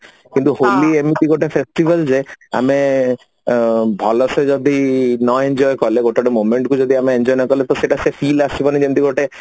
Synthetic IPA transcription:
kint̪uholiemit̪iɡoʈepʰesʈibʱald͡ʒea̰me | bʱɔlɔsed͡ʒɔd̪inɔend͡ʒɔjkɔleɡoʈaʈemomeɳʈkud͡ʒɔd̪iameend͡ʒɔjnɔkɔɾlet̪ɔseʈasefʰilasibɔnid͡ʒent̪iɡoʈe

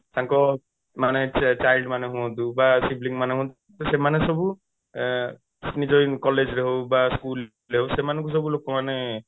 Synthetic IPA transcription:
t̪aŋkɔ | manet͡ʃajlɖmaneɦũɔ̃nt̪ubasibliŋmaneɦũɔ̃nt̪ut̪semanesɔbu | nid͡ʒɔinkɔled͡ʒɾeɦowbaskul | ɾeɦosemanekus̬ɔbulokɔmane

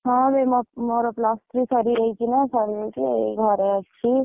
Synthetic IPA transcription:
ɦãbemmoɾaplast̪ɾisəɾiɾəɦit͡ʃʰinasəɾiɾəit͡ʃʰiḛɡʱəɾɛətːt͡ʃʰi

